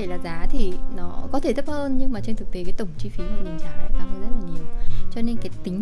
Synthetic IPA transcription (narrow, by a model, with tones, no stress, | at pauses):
e˧˩laː˨˩zaː˨˦t̪ʰi˨˩nɔ˨˦kɔ˨˦t̪ʰe˧˩t̪ʰp̚həː˧nɲɨ˧ŋmaː˨˩t͡ɕe˧nt̪ʰɨ˨˩k̚t̪e˨˦kaː˨˦t̪ə˧˩wŋ͡mt͡ɕi˧fi˨˦maː˨˩mï˨˩ŋ̟za̰ː˨˦ɔ̰˨˩˦ʔaː˧˩fə˨˦zə˦˥t̚laː˨˩ɲi˨˩əwt͡ɕɔ˧ne˧nkaː˨˦jt̪ï˨˦ŋ̟